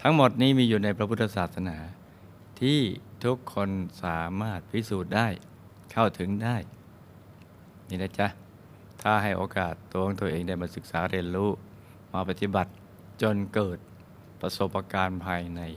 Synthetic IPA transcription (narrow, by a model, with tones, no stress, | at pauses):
t̪ʰa˦˥ŋmo˨˩t̪̚niː˦˥miː˧juː˨˩na˧jpʰɾa˦pʰu˥t̪ːa˧saː˨˩t̪̚sa˧naː˩˦ | t̪ʰiː˥˩t̪ʰu˦˥kʰːo˧nsaː˩˦maː˥˩t̪̚pʰi˦˥suː˨˩t̪̚daː˥˩j | kʰa˥˩wt̪ʰɯ˩˦ŋdaː˥˩j | niː˧˩na˦˥t͡ɕa˦˥ | t̪ʰaː˥˩ɦa˥˩jʔoː˧kaː˨˩t̪ːu˧˦ŋt̪u˧ʔeː˧ŋda˥˩jmaː˧sɯ˨˩k̚saː˩˦ɾi˧ənɾuː˦˥ | maː˧pa˨˧˩t̪i˨˩ba˨˩t̪̚ | t͡ɕo˧nkɤː˨˩t̪̚ | pɾa˧so˨˩pːa˧kaː˧npʰaː˧jna˧j